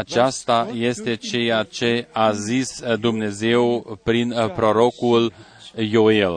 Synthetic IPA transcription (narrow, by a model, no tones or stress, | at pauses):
at͡ʃast̪aje̞st̪e̞t͡ʃe̞jat͡ʃe̞azisd̪umne̞ze̞wpɾinpɾo̞ɾo̞kuljoel